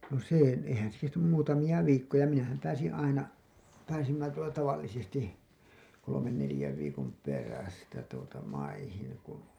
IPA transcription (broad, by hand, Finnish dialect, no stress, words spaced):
no seˑ eihæn se kestænym muːtɑmij̆ɑ ʋiːkːojɑ minæhæm pæːsin ɑinɑ pæːsimːæ tuotɑ tɑʋɑlːisesti kolomen nelĭjæʋ ʋiːkom peræstæ tuotɑ mɑihiŋ kun